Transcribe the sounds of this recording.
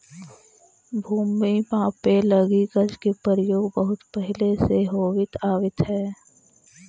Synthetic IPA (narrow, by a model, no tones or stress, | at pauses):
bʱuːmimãːpeləɡiɡəd͡ʒkepɾəɾəjoːɡbəɦʊt̪pɛɦɪleseɦoːʋɪt̪aːʋɪt̪ɦɛː